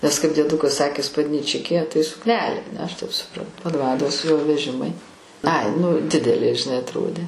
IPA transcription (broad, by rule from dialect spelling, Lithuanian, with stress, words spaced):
nʲɛs kɐɪp dʲiɛˈdʊkɐs ˈsɑːkʲeː spɐdʲnʲiːˈt͡ʃʲɪkʲeː tɐɪ sʊkˈnʲæːlʲeː ɐˈnʲɛ ɐʃ tɐɪp sʊˈprɐntʊ pɐˈdʋɑːdoːs joː ʋʲɛˈʒʲɪmɐɪ ɐɪ nʊ ˈdʲɪdʲɛlʲeː ʒʲɪˈnɐɪ ɐtˈroːdʲeː